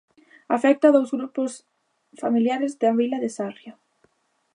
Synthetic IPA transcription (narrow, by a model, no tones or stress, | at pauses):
afɛk̚t̪aðowzɣɾupʊs | familjaɾɪzðɪaβilaðɪsarja